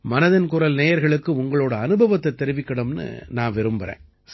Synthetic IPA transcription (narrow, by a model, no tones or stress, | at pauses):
mɐnɐðɪnkʊɾɐlneːjɐɾɣɐɭɯkːɯʊŋɡɐɭoːɽɐːnɯbʱɐʋɐt̪ːɐt̪ːɛɾɯʋɪkːɐɽɯmnɯ̰naːnʋɛɾɯmbɐɾḛ̃ː